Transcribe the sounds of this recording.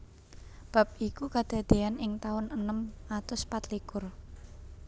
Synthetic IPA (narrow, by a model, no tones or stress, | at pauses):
b̥a̤p̚ikukad̪̥a̤d̪̥e̤anɪŋt̪aʊnənəmat̪ʊspat̪likʊr